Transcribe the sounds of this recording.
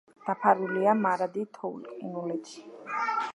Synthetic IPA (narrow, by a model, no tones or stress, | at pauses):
d̪̥apʰaɾuliamaɾad̪it̪ʰɔulkʼinulɛt̪ʃi̥